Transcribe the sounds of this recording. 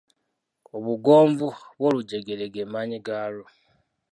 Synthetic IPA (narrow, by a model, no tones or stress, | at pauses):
oβuɡo̞ːɱvuβwo̞ːluɟe̞ɡe̞leɡe̞maːɲiɡaːlo